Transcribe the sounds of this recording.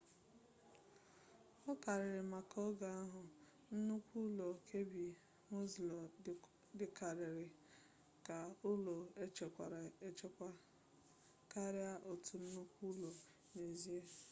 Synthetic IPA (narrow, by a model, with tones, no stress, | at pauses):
ɔ˦ka˨ɾɪ˨ɾɪ˨ma˨kɔ˦ɡa˨a˦ɦʊ˨ | n̩˦nu˦kʷu˦lo˨kʰe˦bi˨ | mu˦zl | dɪ˨ka˨ɾɪ˨ɾɪ˨ | ka˨ʊ˦lo˨e˦t͡ʃe˨kʷa˨ɾa˨e˦t͡ʃe˦kʷa˦ | ka˦ɾɪ˦a˦ʔo˨tu˨n̩˦nu˦kʷu˦lo˨ | ne˨zi˦e˦